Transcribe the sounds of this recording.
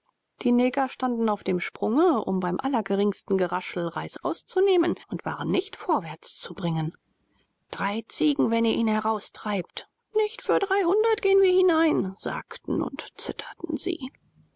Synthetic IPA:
d̥iːnɛːɡɐʃtandn̩aʊfd̥eːmʃpʁ̥ʊŋəʔʊ̰mbaɪmʔalɐɡəʁɪŋstn̩ɡəʁaʃl̩ʁaɪsʔaʊst͡suneːmənʊntv̥a̰ːʁənːɪçtfɔɐvɛɐt͡st͡subʁɪŋən | d̥ʁaɪt͡siːɡŋ̩vɛniːɐʔiːnhɛʁaʊstʁ̥aɪpt | nɪçtfyːɐdʁaɪhʊndɐtɡ̥eːənviːɐhinaɪnz̥a̰ːktn̩ʊ̰ntt͡sɪtʰɐ̥tn̩z̥ḭː

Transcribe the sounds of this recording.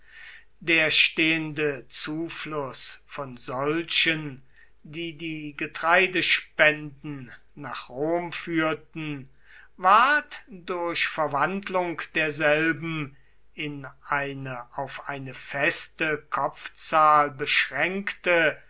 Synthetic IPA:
deːɐʃteːəndət͡suːflʊsfɔnzɔlɕən | diːdiːɡətʁ̥aɪdəʃpɛndn̩ | naːχʁoːmfyːɐtn̩ | vaɐtd̥ʊɐçfɛɐvandlʊŋkd̥eːɐzɛlbm̩ | ɪnʔaɪnəʔaʊfʔaɪnəfɛstəkʰɔp͡ft͡saːlbəʃʁɛŋktə

